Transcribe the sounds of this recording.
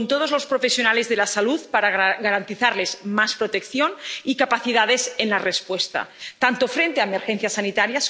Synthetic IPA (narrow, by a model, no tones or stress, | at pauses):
nt̪oð̞ozlospɾofesjo̞nalezðelasaluðpaɾaɣaɾant̪iθaɾle̞zmaspɾot̪ekθjonikapaθiðaðe̞senlarespwest̪a̰t̪ant̪ofɾent̪eaemeɾxenθjasanit̪aɾjas